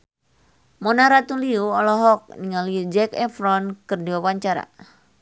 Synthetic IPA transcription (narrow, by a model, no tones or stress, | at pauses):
mɔnaɾat̪uliuɔlɔɦɔk̚niŋaliud͡ʒɛkɛfɾɔnkɨrdiwawaɲt͡ʃaɾa̰